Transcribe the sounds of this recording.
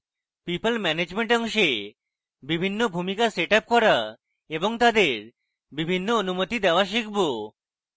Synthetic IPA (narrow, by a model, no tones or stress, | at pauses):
pipəlmɛned͡ʑmeɳʈɔŋʃe | bibʱinːobʱumikaseʈap̚kɔɾa | eboŋt̪ad̪eɾ | bibʱinːoonumot̪id̪ɛoaʃikbo